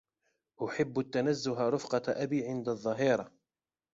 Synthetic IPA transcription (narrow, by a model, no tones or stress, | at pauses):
ʔʊħɪbːʊt̪ːanazːʊɦaɾˤʊfqɑʔabiːʕɪnd̪aðˤːɑɦiːɾˤɑ